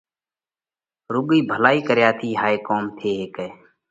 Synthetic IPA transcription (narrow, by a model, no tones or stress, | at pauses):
ɾʊːɠiːbʱəlaːiːkəɾjaːt̪ʰiːɦaːeːkoːmt̪ʰeːɦeːkɛː